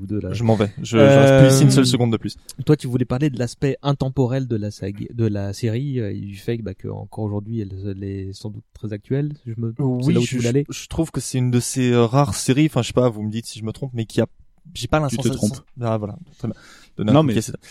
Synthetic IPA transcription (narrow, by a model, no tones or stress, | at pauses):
ud̪ølaʒəmɑ̃vɛʒəøsiynssœls̬əɡɔ̃d̪d̪əplyst̪wat̪yvulɛpaʁled̪əlaspɛʔɛ̃t̪ɑ̃pɔʁɛld̪əlasa̰ɡd̪əlaseʁiøḭyfɛbakə̰ɑ̰̃kɔʁoʒuʁd̪ɥiɛllɛsɑ̃d̪ut̪ːχɛzak̚t̪ɥɛlsiʒəməwilauyvøaleʒ̥ət̪χuv̥kəsɛynd̪əseøʁaʁseʁiɑ̃fɛ̃ʃəʃe̥pavuməd̪it̪siʒəmət̪χɔ̃pmɛkʰʲia | ʒepalɛ̃stɑ̃spavwalã̰t̪χɛbjɛ̃ | d̪̥ɔnẽkiasea